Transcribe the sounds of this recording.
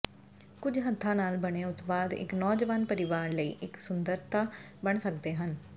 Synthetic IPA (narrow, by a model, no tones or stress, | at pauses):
kʊd͡ʒɦət̪ʰːãːnaːlbəɽ̃eːʊt̪baːd̪ɪ̰knɔːd͡ʒəʋaːnpəɾɪʋaːɾləḭːʔɪksʊnd̪əɾt̪ʰaː | bəɳsək̚d̪eːɦən